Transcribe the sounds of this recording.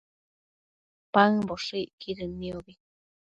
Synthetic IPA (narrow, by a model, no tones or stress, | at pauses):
paŋboʂiʔkʰiɾɨniobi